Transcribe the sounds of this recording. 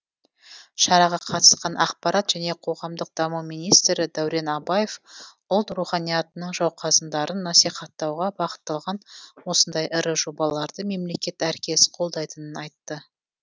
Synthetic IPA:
ʃɑɾɑʁɑqʰɑt̪ə̥sqɑnʔɑqpɑɾɑt̪ʒ̥æne̞qʰo̞ʁɑmd̪əq̚d̪̥ɑmumijnijst̪ɾɪd̪æwɾe̞nɑbɑje̞f | ʊlˠt̪ruχɑnijɑt̪ənəɴʒɑwqʰɑzənd̪ɑɾənːɑsijχɑt̪ːɑwʁɑbɑqə̥t̪ːɑlˠʁɑnwo̞sənd̪ɑjʔɪɾəʒo̞bɑlˠɑɾd̪əme̞mle̞kʲe̞t̪æɾkʲʰe̞sqʰo̞lˠd̪ɑjt̪ənənɑjt̪ːə

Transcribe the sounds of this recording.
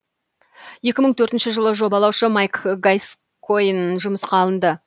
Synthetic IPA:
je̞kʲɪməɴt̪ʰɵɾt̪nʃəʒəlˠəʒo̞bɑlˠɑwʃəmɑjkɡajs | kʰːojnʒʊməsqɑlˠənd̪ə

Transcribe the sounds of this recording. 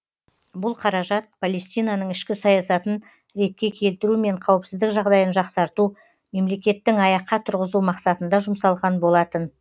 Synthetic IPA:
bʊlˠqʰɑɾɑʒɑt̪̚pʰolˠe̞st̪ijnɑnəɴɪʃkʲɪsɑjɑsɑt̪ən | ɾe̞t̪̚kʲe̞kʲʰe̞lt̪ɪɾume̞ɴqʰɑwəpsɪzd̪ɪkʒɑʁd̪ɑjənʒɑqsɑɾt̪u | me̞mle̞kʲe̞t̪ːɪŋɑjɑqːɑt̪ʰʊɾʁəzumɑqsɑt̪ənd̪ɑʒʊmsɑlˠʁɑnbo̞lˠɑt̪ən

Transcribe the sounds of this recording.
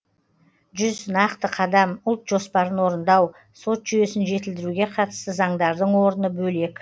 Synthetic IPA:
ʒʏznɑqt̪əqʰɑd̪ɑmʊlˠt̪ʒ̥o̞spɑɾənwo̞ɾənd̪ɑw | so̞t̪ʒ̥ʏje̞sɪnʒe̞t̪ɪld̪ɪɾuɡʲe̞qʰɑt̪ə̥st̪əzɑɴd̪ɑɾd̪əɴwo̞ɾənəbɵle̞k

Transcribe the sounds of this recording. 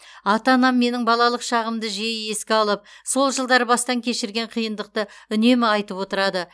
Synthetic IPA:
ɑt̪ɑnɑmːe̞nɪŋbɑlˠɑlˠəqʃɑʁəmd̪əʒeje̞skʲɪɑlˠəp̚so̞lˠʒəlˠd̪ɑɾbɑst̪ɑŋkʲʰe̞ʃɪɾɡʲe̞ɴqʰijənd̪əq̚t̪əʏne̞mɪɑjt̪əpwo̞t̪əɾɑd̪ə

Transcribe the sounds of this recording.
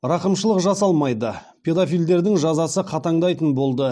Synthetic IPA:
ɾɑqəmʃəlˠəqʒɑsɑlˠmɑjd̪ə | pʲʰe̞d̪ofijld̪e̞ɾd̪ɪŋʒɑzɑsəqʰɑt̪ɑɴd̪ɑjt̪ənbo̞lˠd̪ə

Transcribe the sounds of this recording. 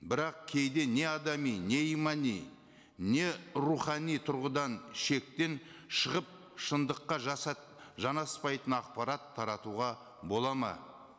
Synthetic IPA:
bɪɾɑq̚kʲʰe̞jd̪e̞ne̞ɑd̪ɑmijne̞ijmɑnij | ne̞ɾuχɑnijt̪ʰʊɾʁəd̪ɑnʃe̞k̚t̪e̞nʃəʁəp̚ | ʃənd̪əqːɑʒ | ʒɑnɑspɑjt̪ənɑq̚pɑɾɑt̪ʰːɑɾɑt̪uʁɑ | bo̞lˠɑmɑ̰

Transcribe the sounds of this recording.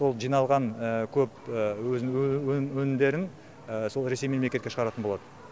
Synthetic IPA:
so̞lˠʒijnɑlˠʁɑnəkʲʰɵp̚əwɵzɪnɪwɵwɵnɪmd̪e̞ɾɪn | əso̞lˠɾe̞se̞jmemlekʲet̪kʲeʃəʁɑɾɑt̪ənbo̞lˠɑd̪ə

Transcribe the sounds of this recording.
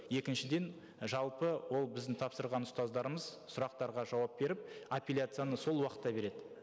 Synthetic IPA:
je̞kʲɪnʃɪd̪e̞n | ʒɑlˠpəwo̞lˠbɪzd̪ɪŋt̪ʰɑpsəɾʁɑnʊst̪ɑzd̪ɑɾəməz | sʊɾɑq̚t̪ɑɾʁɑʒɑwɑp̚be̞ɾɪp̚apʲilʲjat̪sɨjanəso̞lˠwɑqət̪ːɑbe̞ɾe̞d̪ɪ

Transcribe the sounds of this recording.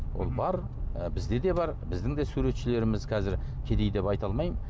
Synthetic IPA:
wʔo̞̰lˠbɑɾ | bɪzd̪e̞d̪e̞bɑɾbɪzd̪ɪŋd̪e̞suɾe̞t̪ʃɪle̞ɾɪmɪzkʲʰɑzɪɾkʲʰe̞d̪e̞jd̪e̞pɑjt̪ɑlˠmɑj

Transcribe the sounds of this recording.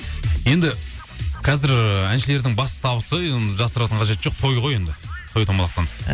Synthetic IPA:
je̞nd̪ɪ | qʰɑzɪɾænʃɪle̞ɾd̪ɪŋbɑsə̥t̪ʰɑβəsəenʒɑsəɾɑt̪əɴqʰɑʒe̞t̪ʒoq̚t̪ʰo̞jʁo̞je̞nd̪ɪt̪ʰo̞jt̪ʰomɑlˠɑqt̪ɑn

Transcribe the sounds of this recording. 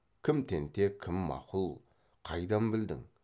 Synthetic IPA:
kʲʰɪmt̪ʰent̪ʰekʲʰɪmːɑ̰qʰʊlˠ | qʰɑjd̪ɑmbɪld̪ɪ̰ŋ

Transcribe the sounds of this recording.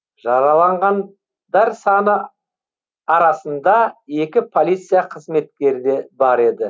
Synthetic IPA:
ʒɑɾɑlˠɑɴʁɑn | d̪æɾsɑnə | ɑɾɑsənd̪ɑe̞kʲɪpʰo̞lʲijt̪sɨjaqʰəzme̞t̪kʲe̞ɾd̪e̞bɑɾe̞d̪ɪ

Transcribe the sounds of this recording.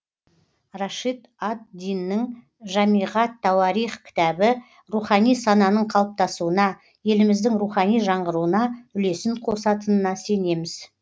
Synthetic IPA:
raʃit̪at̪̚d̪ijnːɪŋ | ʒɑmijʁɑt̪ʰːɑwɑɾijχkʲʰɪ̥t̪ɑbɪ | ruχɑnijsɑnɑnəɴqʰɑlˠəp̚t̪ɑsuənɑ | je̞lɪmɪzd̪ɪŋɾuχɑnijʒɑɴʁəɾuənɑʏle̞sɪɴqʰo̞sɑt̪ənənɑse̞ne̞mɪz̥

